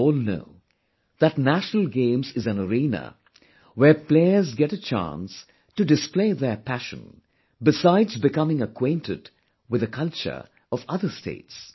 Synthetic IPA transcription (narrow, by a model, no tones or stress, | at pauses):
ɔːlno̰ʊ | ðətnæʃnəl̩ˠɡẽɪ̃mzɨzɨ̃nəɾĩnə̰ | wɛɹpleɪə˞zɡɛɾət͡ʃʰã̰ns | tudɨspleɪðə˞pʰæʃə̰̃n | bɪsaɪdzbɪkʌmɪ̃ŋəkʰwẽɪ̃ntɪd | wɨðəkʰʌlˠt͡ʃə̰˞ | ʔɔvʌðə˞stʰḛɪts